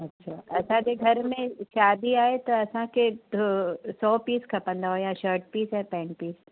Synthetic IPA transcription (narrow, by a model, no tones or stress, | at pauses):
ɐtːʃʰaːʔɐsãd͡ʑeɡʱɐɾmẽʃaːd̪iaːet̪ɐɐsãkʰet̪sɔːpiːskʰɐpə̃nd̪aɦoːjãʃəːɾʈ̚piːsɛːpɛ̃ːɳ̚piːs